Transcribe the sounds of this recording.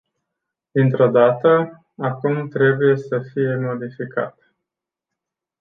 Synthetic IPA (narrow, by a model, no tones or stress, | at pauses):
d̪̥int̪ɾo̞d̪at̪ə | akumt̪ɾe̞buje̞səfije̞mo̞d̪ifika̰t̪